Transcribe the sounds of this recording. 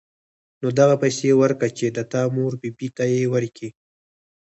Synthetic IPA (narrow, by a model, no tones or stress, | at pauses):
nod̪aɣapajsewəɾkat͡ʃed̪ət̪ɑmoɾbibit̪ajewəɾki